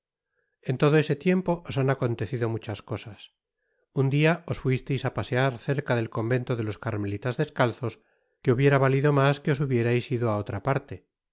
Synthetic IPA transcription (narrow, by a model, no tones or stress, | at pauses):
e̞nt̪o̞ðo̞e̞se̞t̪je̞mpo̞ʔosanako̞nt̪e̞θiðo̞mut͡ʃasko̞sas | und̪iao̞sfwist̪e̞jsapaseaɾθe̞ɾkaðe̞lko̞mbe̞nt̪oðe̞lo̞skaɾme̞lit̪azðe̞skalθo̞s | ke̞uβje̞ɾaβaliðo̞maske̞o̞suβje̞ɾajsiðoao̞t̪ɾapaɾt̪e̞